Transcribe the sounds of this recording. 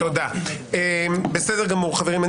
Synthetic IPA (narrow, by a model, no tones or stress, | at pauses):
od̪aebesed̪eʁɡamuʁχaveʁima